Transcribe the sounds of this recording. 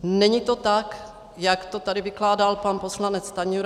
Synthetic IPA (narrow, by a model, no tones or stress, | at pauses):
nɛɲit̪ot̪ak | jakt̪ot̪adɪvɪklaːdalpanposlanɛt͡st̪aɲuɾ